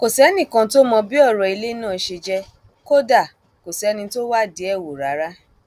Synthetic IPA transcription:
ko˨sɛ˨˦nĩ˦˨kã˧to˦mɔ̃˧bi˦ɔ˦˨ɾɔ˨i˧le˦nãː˦˨˧ʃe˧d͡ʒɛ˧ | ko˦da˦˨ | ko˨snĩ˧to˦wa˦˨di˨˦ɛ˦˨wo˨ɾa˨˦ɾa˦

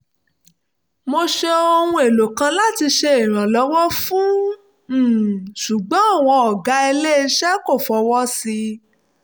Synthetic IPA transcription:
mo˧ʃe˧o˧hũ˧e˨lo˨kã˧la˦ti˧ʃe˧i˨ɾ̃ã˨lɔ˨˦wɔ˦fũ˦˨ | ʃu˨ɡ͡bɔ̃˨˦a˦˨w̃ɔ̃˧ɔ˨ɡa˨˦e˧le˦ʃɛ˦ko˦˨fɔ˨˧wɔ˦si˧

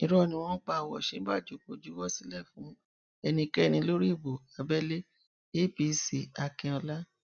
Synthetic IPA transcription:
ĩ˨˧ɾɔ˦˧nĩ˧w̃ɔ̃˦k͡pa˧˨˧wɔ̰˨ʃe˨˦ba˦˨d͡ʒu˨˦˨k͡po˨d͡ʒu˨˦wɔ˦˨si˨˦lɛ˦˨fũ˨˦ | ɛ˧nĩ˧kɛ˦˧nĩ˧lo˦ɾi˦˨bo˨a˨bɛ˦le˦ | e˦˨˦bi˧si˨a˨kɛ̃˧ɔ˧la˦

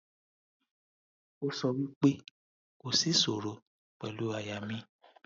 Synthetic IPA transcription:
o˧sɔ˧wi˦k͡pe˦ | ko˨si˦so˨ɾo˨˦ | k͡pɛ˨lu˨˦a˧ja˨mĩ˦

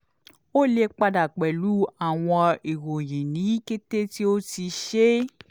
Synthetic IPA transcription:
o˦le˧k͡pa˧da˨k͡pɛ˨lu˨˦a˦˨w̃ɔ̃˧i˨wo˨je˨nĩ˨˦i˦ke˦te˦ti˦o˦ti˧ʃe˦

